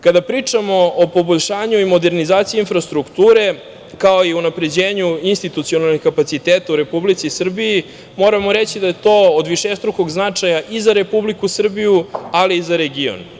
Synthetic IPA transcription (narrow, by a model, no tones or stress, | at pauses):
kad̪apɾit͡ʂamo̞opo̞boʎʲʃaːɲuimo̞d̪e̞ɾnizaːt̪siinfɾast̪ɾukt̪uːɾe̞ | kao̞iunapɾe̞d͡ʑeːɲuinst̪it̪ut̪sio̞nalnixkapat̪sit̪eːt̪auɾe̞publit̪sisr̩bii | mo̞ːɾamo̞ɾet͡ɕid̪aje̞t̪o̞ːod̪ʋiʃest̪ɾuko̞ɡznat͡ʂajaʔizaɾe̞publikusr̩bijualiːzaɾeɡio̰n